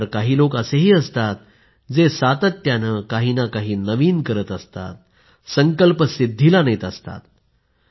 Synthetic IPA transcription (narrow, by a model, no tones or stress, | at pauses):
ɾkaɦiːlokəseɦiːəst̪at̪̚ | d͡zesat̪ət̪ːjanəkaɦinakaɦiːnəʋiːnkəɾət̪əst̪a̰t̪̚ | səŋkəlpəsid̪ʱːilanəjt̪əst̪a̰t̪̚